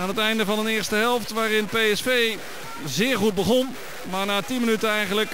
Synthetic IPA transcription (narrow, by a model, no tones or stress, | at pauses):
aːnɦətɛjndəvɑnənɪːɹstəɦɛlˠftʋaːɾɪnpejɛsfej | zɪːɹχud̚bəχɔn | maːɹnaːtinmənytənɛjχənlək